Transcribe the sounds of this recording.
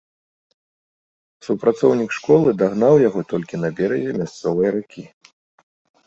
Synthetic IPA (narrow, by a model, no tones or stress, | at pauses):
supɾat̪sɔwnʲikʂkɔlˠɨd̪aɣnawjaɣɔt̪ɔlʲkʲinɐbʲɛɾɐzʲɛmʲast̪sɔvɐjɾukʲi